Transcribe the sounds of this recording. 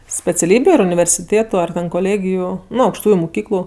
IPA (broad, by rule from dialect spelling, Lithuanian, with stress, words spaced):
sʲpʲɛt͡sʲɛˈlʲiːbʲʊ ɐr ʊnʲɪʋʲɛrʲsʲɪˈtʲeːtʊ ɐr ˈtʲɛn koːˈlʲeːɡʲɪjʊ ˈnʊ ɐʊkʃˈtuːjʊ mʊˈkʲiːklˠʊ